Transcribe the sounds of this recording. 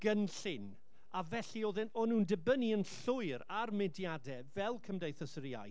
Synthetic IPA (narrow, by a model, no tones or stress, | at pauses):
ɡ̥ənɬɪn | avɛɬioːðɪnɔnuːndɪbəniənɬʊɨɾarmɪdjadɛvɛlˠkʰəmdejθəsəɾja̰j